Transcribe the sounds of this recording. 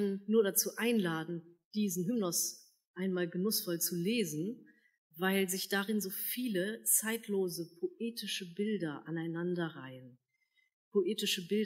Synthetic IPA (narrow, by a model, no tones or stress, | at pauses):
anːuːɐɾat͡suːʔaɪnlaːdn̩d̥iːzn̩ɦʏmnɔs | ʔaɪnmaːlɡənʊsfɔlt͡suleːzn̩ | vaɪlzɪçd̥aʁɪnzoːfiːlət͡saɪtʰloːzəpʰoʔeːtɪʃəbɪldɐʔanaɪnandɐʁa̰ɪən | pʰoʔeːtɪʃəbɪld